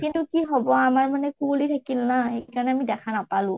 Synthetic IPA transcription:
kintukiɦɔbɔamaɹmanɛkulitʰakilnaxekaɹɔnɛamidɛkʰanapalʊ̃

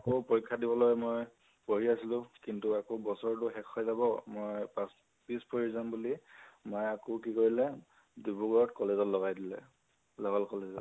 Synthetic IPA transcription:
akopoɹikʰːadibɔlɔjmoj | poɦiasilʊ̃kintuakobɔsɔɹt̬ʊxɛkʰɔjzabɔmojpas | pispoɹizambulimɔjakokikoɹilɛ | dibuɡɔɹɔtkɔlezɔtlɔɣajdilɛ̰ | lɔɦalkɔlezɔt

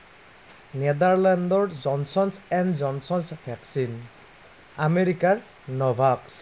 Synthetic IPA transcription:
nɛdaɹlɛndɔɹzɔnsɔnsɛnzɔnsɔnsbʱɛksin | ameɹikaɹ | nɔbʱaks

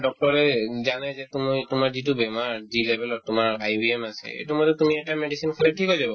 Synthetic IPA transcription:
dɔk̚tɔɹɛzanɛzɛtumtumaɹzitubɛmaɹdilɛbʱɛlɔtːʊmaɹajbiɛmasɛ̰ḛtumɔtɛtumiɛtamedisinkʰalɛʈʰikɦojzabɔ

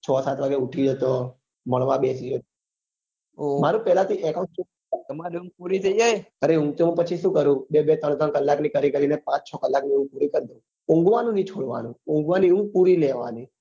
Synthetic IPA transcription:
t͡ʃʰɔsat̪ʋaɡeuʈʰid͡ʒət̪o | məɭ̃ʋãbesid͡ʒot̪o | omaɾũpɛlat̪ʰiʔekãʈt͡ʃu | aəmaɾiũɡpuɾit̪ʰəid͡ʒajəɾeɦũt̪omãpət͡ʃʰiʃũkəɾũbebet̪əɳ̃t̪əɽkəlːaknikəɾikəɾinepãt͡ʃt͡ʃʰɔkəlːakniũpuɾikəɾd̪iũ | ʊ̃ŋɡʋanũnĩt͡ʃʰoɽʋa̰nũʊ̃ŋɡʋaniũɡpuɾileʋa̰ni

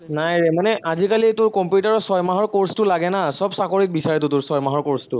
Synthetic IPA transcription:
najɹɛmanɛʔazikalitʊɹkɔmpjutaɹɔsɔjmaɦɔɹkoɹstʊlaɡɛnasɔbsakoɹit̚bisaɹɛt̬ʊtʊɹsɔjmaɦɔɹkoɹstʊ

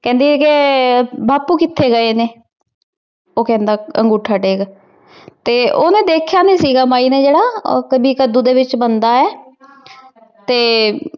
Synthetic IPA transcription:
kɛ̃ːnd̪iːke | bʱaːpuːkɪt̪ʰːeːɡəeːneː | oːkɛ̃ːnd̪aːəŋɡuːʈʰːaːʈeːɡ | t̪eːʔoːnẽːd̪eːkʰjaːnĩːsiːɡaːmaːiːneːd͡ʒeːɽaːkəbʱiːkəd̪uːd̪eːʋɪt͡ʃbənd̪aːɛː | t̪eː

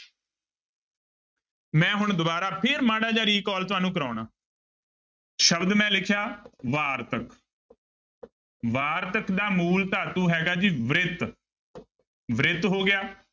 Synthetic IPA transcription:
mɛ̃ːɦʊɳd̪ʊbaːɾaːpʰɪɾmaːɽaːd͡ʒaːɾiːkɔːlt̪ʊʋaːnũːk̬əɾaːɳaː | ʃəbd̪mɛ̃ːlɪkʰjaːʋaːɾt̪ək | ʋaːɾt̪əkd̪aːmuːlt̪aːt̪ũːɦɛːɡaːd͡ʒiːʋɾɪt̪ | ʋɾɪt̪ɦoːɡɪjaː

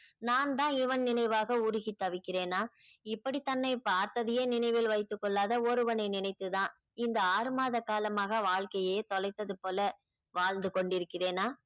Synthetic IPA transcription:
naːnt̪ãːɪʋɐnnɪnɐɪʋaːɣɐʊɾʊɣit̪ːɐʋɪkːɪreːnaːɪpːɐɽit̪ːɐnːɐɪpaːɾt̪ɐðɯjeːnɪnɐɪʋɪlʋɐɪt̪ːɯkːɔɭːaːðɐɔɾɯʋɐnɐɪnɪnɐɪt̪ːɯðãː | ɪnd̪ɐaːɾɯmaːðɐkːaːlɐmaːɣɐʋaːɭkɐjeːt̪ɔlɐɪt̪ːɐðɯpoːlɐ | ʋaːɭnd̪ɯkɔɳɖɪɾɯkːɪreːnaː

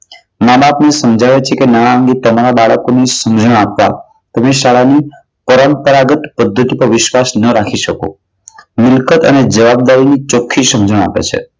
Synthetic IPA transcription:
mabaːpnesəmd͡ʒʱaʋet͡ʃʰekenaɽ̃aə̃ŋɡet̪əmaɾabaɭəkonisəmd͡ʒəɳə̃apʋa̰ | t̪əmeʃaɭani | pəɾəmpəɾaɡət̪pəd̪ʱːət̪ipəɾʋɪʃʋasnəɾakʰiʃəko̰ | mɪlkət̪əned͡ʒəʋab̚d̪aɾinit͡ʃokʰːisəmd͡ʒəɽə̃a̰pḛt͡ʃʰḛ

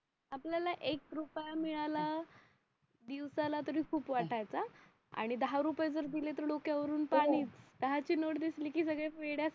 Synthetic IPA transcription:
apljalaʔekɾupjamiɭala | d̪iʋsalat̪əɾiːkʰuːpʋaʈʰajt͡sa | a̰ɽ̃id̪əɦaɾupjad͡zəɾd̪ilet̪̬əɾɖokjaʋəɾuːnpaɽ̃iːt͡sd̪̥əɦat͡ɕiːnoʈd̪isliːkiːsəɡɭeeɽja

